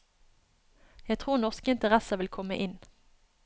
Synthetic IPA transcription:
jæt̪ʰʁuːʁnɔʁskəɪnt̪əʁæsəʋɪlkʰɔmə̰ʔɪn

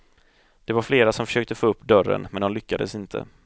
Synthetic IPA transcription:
d̪̥ɛvaɾfleːɾasɔmfœ̥ʂøːk̚t̪əfoːɵpːd̪œrːə̰nmɛnd̪ɔnlʏkːad̪ə̰sɪnt̪ʰə̰

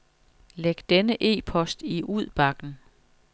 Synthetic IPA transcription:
leɡ̥d̥enəʔe̝̰ːpʰɒ̽sd̥iʔuð̞̰ˠb̥ɑ̈ɡ̥n̩

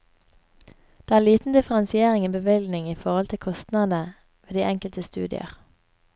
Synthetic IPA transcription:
d̪̥eːæːliːt̪n̩d̪ɪfəʁɑnsɪeːʁɪŋiːbəʋɪlɡnɪŋiːfɔʁɔlt̪ʰɪlkʰɔst̪nɑd̪ə | ʋeːd̪iːɛŋkəlt̪əst̪ʉ̰ːd̪ɪ̰ə̰ʁ

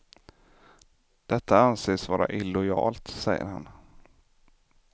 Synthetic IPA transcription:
d̪̥ɛt̪ʰːaanseːsvɑːɾaʔɪlɔjɑ̰ːlt̪sɛjːə̰ɾha̰n

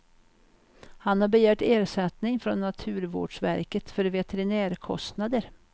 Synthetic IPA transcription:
hanhaɾbɛjæːʈeːɾʂɛt̪nɪŋfɾɔnːat̪ʰʉ̟ːɾvo̰ːɖʂvæ̰ɾkət̪fœɾvɛt̪ɛɾɪnæːɾkʰɔ̰st̪nad̪əɾ

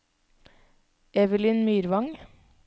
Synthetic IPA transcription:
ɛʋəlɪnmyːɾʋɑŋ

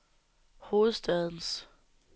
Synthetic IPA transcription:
ho̝ːð̩ˠsd̥ɛð̞ˠn̩s

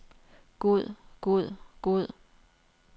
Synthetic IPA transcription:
ɡ̥uð̰ˠɡ̥uð̰ˠɡ̥oð̰ˠ

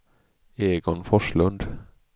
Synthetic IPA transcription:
eːɡɔnfɔʂlɵnd̪

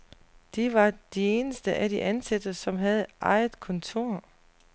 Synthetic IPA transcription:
d̥eʋɑ̈d̥ie̝ːnəsd̥əʔæd̥iʔænsæd̥ɐsɒ̽mɦæð̞̩ˠʔɑ̈ɪð̩ˠkʰɔ̽nt͡sʰo̝ɐ̰

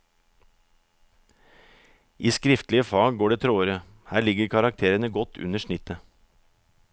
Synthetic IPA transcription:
ʔiːskɾɪft̪lɪəfɑːɡɡoːɖeːt̪ʰɾoːəɾə | hæːɭɪɡəɾkʰɑɾɑk̚t̪ʰeːɾənəɡɔt̪ʰʉ̰nəʃɳɪt̪ə

